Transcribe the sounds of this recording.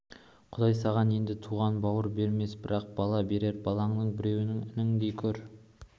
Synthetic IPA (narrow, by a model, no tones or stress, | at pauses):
qʰʊd̪ɑjsɑʁɑne̞nd̪ɪt̪ʰuʁɑnbɑwəɾbe̞ɾme̞sbɪɾɑq̚b̥ɑlˠɑbe̞ɾe̞ɾbɑlˠɑɴnəɴbɪɾe̞wɪnɪŋɪnɪŋd̪ejkʲʰɵɾ